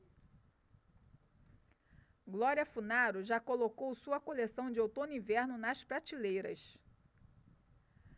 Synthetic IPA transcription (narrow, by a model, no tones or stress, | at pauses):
ɡlɔɾiɐfunaɾʊʒakolokowsuɐkolesɐ̃w̃d͡ʒɪowt̪õnʊĩvɛɾnʊnɐspɾat͡ʃilejɾɐ̰s